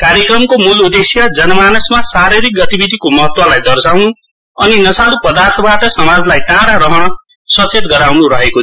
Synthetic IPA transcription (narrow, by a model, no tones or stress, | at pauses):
kaɾjekrʌmkomulud̪esjʌd͡zʌnʌmanusmasaɾiɾik̚ɡʌt̪ibid̪ʱikomʌɦʌt̪wʌlajd̪ʌrsawnu | ʌninʌsalupʌd̪art̪ʰʌbaʈʌsʌmad͡zlajʈãɽaɾʌɦʌɽ̃ʌ | sʌt͡set̪ɡʌɾawnuɾʌɦeko